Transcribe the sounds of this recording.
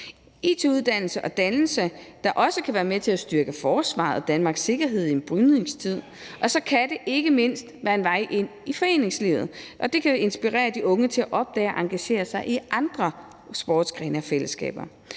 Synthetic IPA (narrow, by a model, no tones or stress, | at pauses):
ḛːt͡sʰe̝uðˠd̥æn̰l̩səʔɒ̽d̥ænl̩səd̥ɑ̈ʔɒ̽səkʰæʋæːɐmet͡sʰe̝læsd̥yɐɡ̥əfɒːsʋɑ̰̈ːð̩ˠɒd̥ænmɑ̈ːɡ̥sːe̝ɡ̥ɐɦe̝ð̞̰ˠienb̥ʁynˠe̝ŋst͡sʰið̞̰ˠ | ʔɒ̽sɒ̽kʰæd̥e̝ʔe̝ɡ̥əme̝n̰sd̥ʋæːɐe̝nʋɑ̈ɪ̰ʔe̝n̰ifɒ̽e̝̰ːne̝ŋslḭʊð̩ˠʔɒ̽d̥e̝kʰæe̝nsb̥iʁɛ̰ːɐd̥iʔɔ̽ŋət͡sʰe̝læʔɒ̽b̥̚d̥ɛ̰ːʔɑ̈ŋɡ̥æɕe̝̰ːɐsɑ̈ɪʔiʔɑ̈nd̥ʁɐ | sb̥ɒ̰ːd̥sɡ̥ʁɛːnɐɒ̽fel̰əsɡ̥ɛ̰ːb̥ɐ